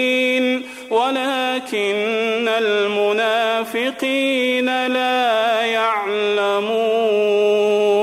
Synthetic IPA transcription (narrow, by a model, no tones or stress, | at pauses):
iːn | walaːkɪnːalmʊnaːfɪqiːnalaːjaʕ | lamuː